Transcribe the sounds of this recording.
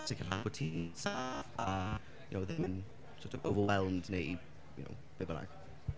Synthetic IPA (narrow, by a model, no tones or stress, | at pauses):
tʰɪkʰəlhabʊtʰisafa | jənowðɪmɪn | sɔtʰəvovəwɛlˠmdnej | jʊ̰no̰w | b̥ebəna̰ɡ̥